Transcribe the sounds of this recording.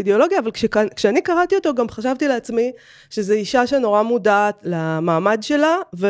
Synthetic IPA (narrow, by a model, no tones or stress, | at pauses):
ideo̞lo̞ɡjaːvalkʃekankʃeanikaʁat̪io̞to̞ɡamχaʃ̬avt̪ileat͡smi | ʃe̞zeiʃaʃeno̞ʁamudaːt̪lamaːmadʃe̞lave